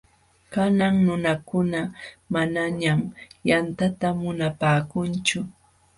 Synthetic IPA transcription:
kanaŋnʊnakʊnamanaɲamjant̪at̪amʊnapaːkʊnt͡ʃʊ

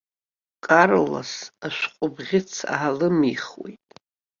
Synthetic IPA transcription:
kʼaɾola̰saʃʷqʷʼʊbʁʲɪt͡sʰa̰ɦalɨmiχwḛjtʼ

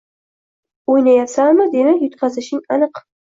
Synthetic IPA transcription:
ojnajapsamɨd̪enɪjʊt̪qɑzɪʃɪŋanɨq

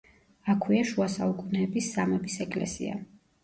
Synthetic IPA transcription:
akʰwiaʃuasaukʼunɛːbisːamɛbisɛkʼlɛ̰sḭa̰

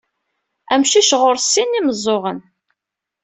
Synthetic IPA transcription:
æmʃiʃʁʊɾsːinːiməzˤːoʁən

